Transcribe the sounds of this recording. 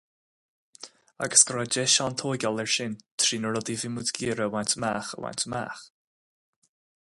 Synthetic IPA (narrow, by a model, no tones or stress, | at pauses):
a̰ɡə̥sɡɾad͡ʒɛʃant̪ʰoːɡalɛɹʃɪnt̪ʰɾiːnəɾɔd̪ivɪmudɡiːɾəwant̪maːxə̰wa̰nt̪ʰəma̰ːx